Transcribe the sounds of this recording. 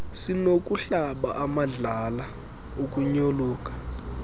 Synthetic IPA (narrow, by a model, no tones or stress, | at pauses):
sinok̬ʼuɬaɓaʔamaɮala | ok̬ʼuɲoluːk̬ʼḁ